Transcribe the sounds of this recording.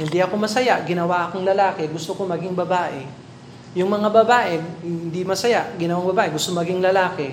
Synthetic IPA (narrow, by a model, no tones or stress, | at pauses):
hɪnd̪iʔɐko̞mɐsɐjaʔɡɪnɐwaʔɐkoŋlɐlaːkɛɡʊst̪oko̞mɐɡiŋbɐbaːʔe | jʊŋmɐŋabɐbaːʔehɪhɪnd̪imɐsɐjaʔɡɪnɐwaŋbɐbaːʔeɡʊst̪omɐɡiŋlɐlaːkɛ